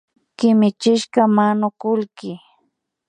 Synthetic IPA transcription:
kɪmɪt͡ʃɪʃkamanʊkʊlkɪ

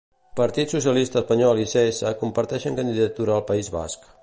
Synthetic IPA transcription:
pəɾt̪it̪susiəlist̪əːspəɲɔliseesəkumpəɾt̪ɛʃəŋkənd̪iðət̪uɾəːlˠpəizβa̰sk

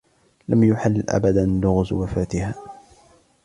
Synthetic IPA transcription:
lamjʊħalːʔa̰bad̪anlʊɣʊzwafaːt̪ɪhaː

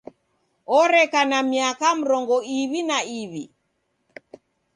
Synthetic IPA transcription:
ɔɾɛkanamiakam̩ɾɔŋɡɔiβinaiβi

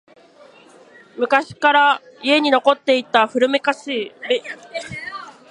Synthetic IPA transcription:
mɯ̟kaɕi̥kaɾaie̞ɲ̟ino̞ko̞t̪ːe̞it̪ːaɸɯ̟ɾɯ̟me̞kasɨibe

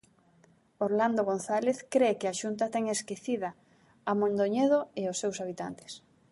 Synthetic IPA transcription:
oɾland̪oɣ̞onθaleθkɾekɪaʃunt̪at̪ɛŋeskeθiðɐ | amõnd̪oɲeðoeosːewsaβit̪a̰nt̪ɪ̥s

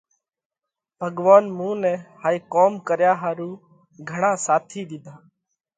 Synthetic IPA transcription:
b̥ʱəɠʋaːnmũːnɛ̃ːhaːiːkoːmkəɾjaːɦaːɾuː | ɡʱəɳãːsaːt̪ʰiːd̪ɪd̪ʱaː

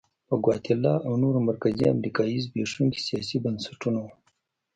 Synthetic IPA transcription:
pəɡwɑt̪ɪlːɑʔawnoɾomaɾkazia̰mɾikɑizbeʂuŋki̥sijɑsibənsḁʈuno

